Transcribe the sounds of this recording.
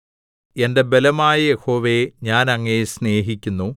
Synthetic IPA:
e̞nde̞be̞lɐmaːjɐjeho̞ːʋe̞ɲaːnɐŋːesne̞ːɦikʲːunːu

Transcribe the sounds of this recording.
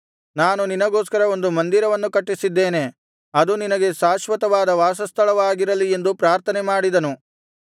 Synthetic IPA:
naːnuninɐɡo̞ːskɐɾɐo̞nd̪umɐnd̪iɾɐʋɐnːukɐʈːisid̪ːe̞ːne̞ | ɐd̪uninɐɡe̞ʃaːʃʋɐt̪ɐʋaːd̪ɐʋaːsɐst̪ʰɐɭɐʋaːɡiɾɐlie̞nd̪upɾaːɾt̪ʰɐnemaːɽid̪ɐnu

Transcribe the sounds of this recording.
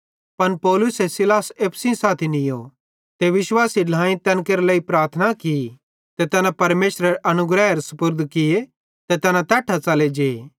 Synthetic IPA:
pɐnpɔːlʊsesɪlaːseːpʰsĩsaːt̪ʰinɪjo | t̪eʋɪʃwaːsiɖãːĩt̪ɛ̃ːnkeːɾləipɾaːɾt̪ʰənaki | t̪et̪ɛːnãpɐɾmeːʃɾəɾʔɐnʊɡɾɛːɦɾsʊpʊɾd̪ʱkɪje | t̪ɛt̪ɛːnãt̪ɛːʈʰat͡sɐled͡ʒeː

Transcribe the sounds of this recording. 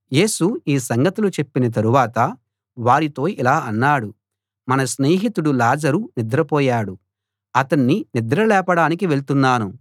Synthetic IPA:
je̞ːsuiːsɐŋɡɐt̪ulut͡ʃepːinɐt̪̬ɐɾuʋaːt̪ɐ | ʋaːɾit̪o̞ːʔilaːʔɐnːaːɽu | mɐnɐsneːɦit̪uɽulaːd͡ʒɐɾunid̪ɾɐpɔːjaːɽu | ɐt̪ɐnːinid̪ɾɐlɛːpɐɽaːnikiʋe̞ɭt̪unːaːnu

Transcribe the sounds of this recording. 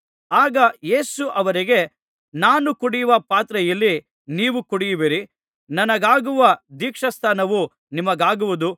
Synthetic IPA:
aːɡɐje̞ːsuʔɐʋɐɾiɡe̞ | naːnukuɽijuʋɐpaːt̪ɾɛjɐlːi | niːʋukuɽijuʋiɾi | nɐnɐɡaːɡuʋɐd̪iːkʂɐst̪ʰaːnɐʋu | nimɐɡaːɡuʋud̪u

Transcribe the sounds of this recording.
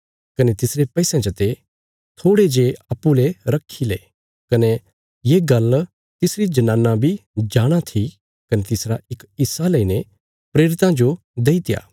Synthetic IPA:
kɐnet̪ɪsɾepɛisãd͡ʒɐt̪e | t̪ʰoːɽed͡ʒeɐːpːuleɾɐkʰːileː | kɐne | jeːɡɐl | t̪ɪsɾid͡ʒɐnãːnːãbʱid͡ʒaːɽ̃at̪ʰi | kɐnet̪ɪsɾaɪkɪsːaleine | pɾeːɾɪt̪ãd͡ʒo | d̪eːit̪ɪja̰ː

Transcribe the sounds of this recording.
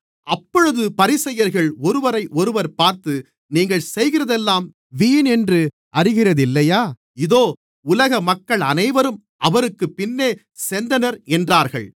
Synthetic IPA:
ʔɐpːɔɻɯðɯpɐɾɪsɐjɐɾɣɐɭɔɾɯʋɐɾɐɪʔɔɾɯʋɐɾpaːɾt̪ɯ | niːŋɡɐɭsɛjɣɪrɐðɛlːaːm | ʋiːnɛndrɯ | ʔɐrɪɣɪrɐðɪlːɐjaː | ɪðoː | ʊlɐɣɐmɐkːɐɭɐnɐɪʋɐɾɯm | ʔɐʋɐɾɯkːɯpːɪnːeː | sɛnd̪ɐnɐɾɛndraːɾɣɐ̰ɭ

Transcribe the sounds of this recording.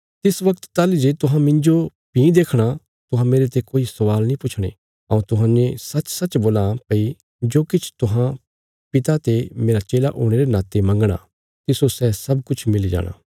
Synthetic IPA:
t̪ɪsʋɐkt̪t̪aːlid͡ʒeːt̪ʊɦãmɪ̃ɲd͡ʒo | pĩd̪eːkʰɽ̃a | t̪ʊɦãmeːɾet̪ekoːisɐʋaːlnĩpʊt͡ʃʰɽ̃ḛː | ɐũt̪ʊɦãːnd͡ʒẽsɐt͡ʃsɐt͡ʃboːlapɐi | d͡ʒoːkɪt͡ʃʰt̪ʊɦã | pɪt̪at̪emeːɾat͡ʃeːlaʔoːɽ̃eːɾenaːt̪emɐ̃ŋɡɽ̃a̰ː | t̪ɪsosɛsɐbkʊt͡ʃʰmɪlid͡ʒa̰ːɽ̃a̰ː

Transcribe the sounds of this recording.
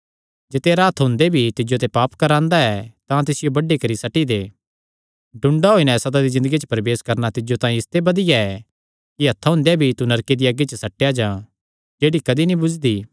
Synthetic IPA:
d͡ʒeːt̪eːɾaːt̪ʰɦʊ̃ːnd̪ebʱit̪ɪd͡ʒot̪ɛpaːpkɐɾãːnd̪aɛt̪ãt̪ɪsɪjobɐɖːekɐɾisɐʈid̪e | ɖʊ̃ɳɖaɦoːinɛsɐd̪ad̪izɪ̃nd̪əɡit͡ʃəpɾɐʋeːskɐɾnat̪ɪd͡ʒot̪ãːĩɪst̪ebɐd̪ɪjaɛ | kiɦɐt̪ʰaɦʊ̃ːnd̪ebʱit̪unɐɾked̪iaːɡit͡ʃəsɐʈːejad͡ʒãː | d͡ʒeːɽikɐd̪inĩbʊd͡ʒd̪iː

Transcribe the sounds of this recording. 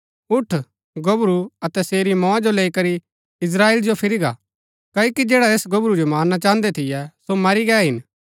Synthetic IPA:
ʊʈʰ | ɡɐbɾuɐt̪ɛseːɾimɔ̃ːãd͡ʒoleːikɐɾi | ɪs̬ɾaːeːld͡ʒopʰɪɾiɡa̰ | kɐːokid͡ʒeːɽaeːsɡɐbɾud͡ʒomaːɾnat͡ʃãːnd̪ɛt̪ʰɪjɛsomɐɾiɡɛːɦɪn

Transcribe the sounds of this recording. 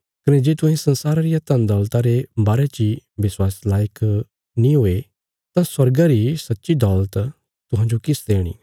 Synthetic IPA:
kɐned͡ʒeːt̪ʊɦẽsɐ̃nsaːɾaɾijat̪ɐ̃nd̪ɔːlt̪aɾebaːɾet͡ʃiʋɪswaːslaːjək | nĩɦoːe | t̪ãswɐɾɡaɾisɐtːʃid̪ɔːlət̪ | t̪ʊɦãːd͡ʒokɪsd̪eːɽ̃ḭː

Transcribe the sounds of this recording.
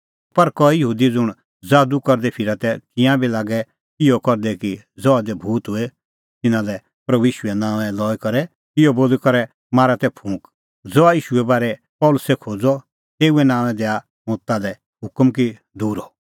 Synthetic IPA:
pɐɾkɔijɐɦuːd̪id͡zʊɽ̃ | d͡zaːd̪ukɔɾd̪ɛpʰɪɾat̪ɛkɪ̃jãbilaːɡɛ | ɪjɔkɔɾd̪ɛki | d͡zɔad̪ɛbʱuːt̪ɦʊɛ | t̪ɪnãlɛ | pɾɐbuiːʃʊɛnãːʋɛ̃lɔːikɔɾɛ | kɪjɔboːlikɔɾɛ | maːɾat̪ɛpʰũːk | d͡zɔːaiːʃuɛbaːɾɛ | pɔːlʊsɛkʰoːd͡zɔ | t̪eːuɛnãːʋ̃ɛ̃d̪ɛa | mõːt̪ːalɛ | ɦʊkmki | d̪uːɾɔ

